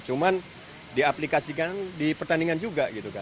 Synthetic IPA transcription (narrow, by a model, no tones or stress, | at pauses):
t͡ʃuman | diaplikasikandipərt̪aniŋand͡ʒuɡaɡit̪uka